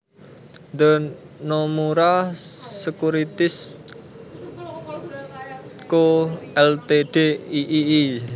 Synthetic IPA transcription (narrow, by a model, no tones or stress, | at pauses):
nd̪ə | nomuɾaː | əkuɾit̪ɪs | koɛlt̪eɖ̥eiʔiː